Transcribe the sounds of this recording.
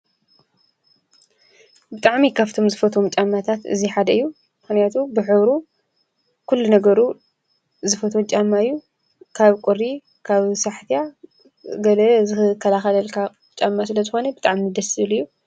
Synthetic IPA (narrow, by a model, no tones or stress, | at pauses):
bɨt̪ʼaʕmikʰaβt̪ʰo̞mzɨfɐt̪ʰomt͡ʃʼamːat̪ʰat̪ɨ̰ziħad̪ɐɨjːu | mɨxnijat̪ʰubɨħɨβɾu | kʰulːunɐɡɐɾu | zɨfɐt̪ʰot͡ʃʼamːaɨjːu | kʰaβkʷʼuɾi | kʰaβsaħt̪ija | ɡɐlɐzɨɨkʰːɐlaxɐlɐlkʰa | t͡ʃʼamːasɨlɐzɨxo̞nɐbɨt̪ʼaʕminɨd̪ɐsɨlɨjːu